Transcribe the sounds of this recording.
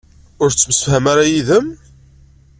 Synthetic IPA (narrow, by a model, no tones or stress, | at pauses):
ʊɾt͡sːəmsə̥fhæmaɾajiðəm